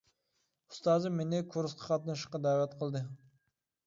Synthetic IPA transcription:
ust̪ɑːzɨmːenɪkʰoɾsqʰɑ̥qʰɑt̪nɨʃqːɑd̪æːwɛt̪qʰəlˠd̪ɨ

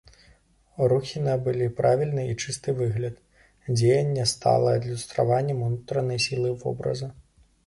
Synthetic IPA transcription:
ɾuxʲinɐbɨlʲipɾavʲilʲnɨit͡ʂɨst̪ɨvɨɣlʲɐt̪ | d͡zʲejɐnʲːɛst̪a̰lˠɐɐd̪lʲust̪ɾa̰vanʲːɛmunut̪ɾɐnɐjsʲilˠɨvɔ̰bɾɐ̰zɐ

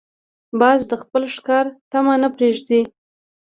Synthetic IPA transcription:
bɑzd̪əxpəlʂkɑɾt̪amanəpɾeʐd̪i

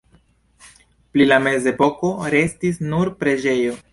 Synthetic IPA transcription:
plilame̞ze̞po̞ko̞ɾe̞stisnuɾpɾe̞d͡ʒe̞jo̞

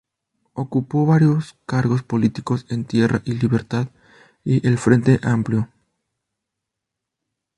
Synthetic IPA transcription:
okupo̞βaɾjo̞skaɾɣo̞spo̞lit̪iko̞se̞nt̪je̞ra̰ʔiliβe̞ɾt̪að | iʔelfɾe̞nt̪eʔampljo̞

